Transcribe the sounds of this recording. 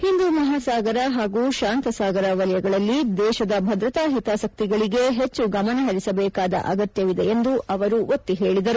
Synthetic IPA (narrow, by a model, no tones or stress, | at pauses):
hind̪uːmɐɦaːsaːɡɐɾɐɦaːɡuːʃaːnt̪ɐsaːɡɐɾɐʋɐljɐɡɐɭɐlːid̪ɛːʃɐd̪ɐbʱɐd̪ɾɐt̪aːɦit̪aːsɐk̚t̪iɡɐɭiɡe̞ɦet͡ʃːuɡɐmɐnɐɦɐɾisɐbɛːkaːd̪ɐ̰ʔɐ̰ɡɐt̪jɐʋid̪eend̪uʔɐʋɐɾuo̞t̪ːiɦe̞ːɭid̪ɐɾu